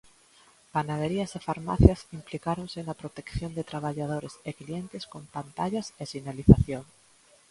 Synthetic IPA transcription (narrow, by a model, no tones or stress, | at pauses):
panað̞eɾiasefaɾma̰θjasimplikaɾonsenapɾot̪e̞kθjo̞nd̪et̪ɾaβ̞aʝað̞oɾe̞seklie̞nt̪e̞sko̞mpant̪aʝasesinaliθaθjoŋ